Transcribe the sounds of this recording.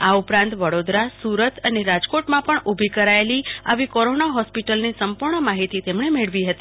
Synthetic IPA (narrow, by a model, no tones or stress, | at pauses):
aupɾãnt̪ʋəɽod̪ɾasuɾət̪əneɾad͡ʒkoʈmãpəɳubʱikəɾaelia̰ʋikɔɾonaɦɔspiʈəlnisəmpuɾɳəmaɦit̪it̪emɳemeɭʋiɦət̪i